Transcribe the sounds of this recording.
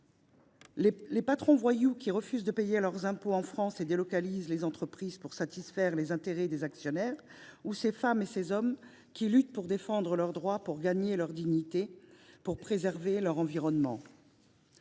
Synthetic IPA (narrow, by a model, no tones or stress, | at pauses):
lepat̪χɔ̃vwajukʲiʁəfyzd̪əpejelœʁzɛ̃poɑ̃fχɑ̃sed̪elɔkalizlezɑ̃t̪χəpχiz̥puʁsat̪isfɛʁlezɛ̃t̪eʁɛd̪ezaksjɔnɛːʁusefamesezɔm | kʲilyt̪̚puʁd̪efɑ̃d̪ʁəlœʁd̪ʁwapuʁɡaɲelœʁd̪iɲit̪epuʁpχezɛʁvelœʁɑ̃viʁɔnmɑ̰̃